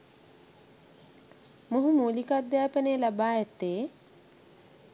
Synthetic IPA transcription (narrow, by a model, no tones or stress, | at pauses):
muɦumuːlikad̪ːjaːpəneːlabaːɛt̪ːeː